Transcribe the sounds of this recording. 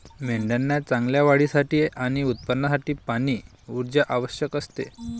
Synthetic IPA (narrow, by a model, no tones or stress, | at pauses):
meɳɖənːjat͡sãŋɡljaʋaɽiːsaʈiːʔaɽ̃iut̪̚pənːəsaʈiːpaɽ̃iː | uɾd͡ʑjaʔaʋəɕjəkəst̪ḛ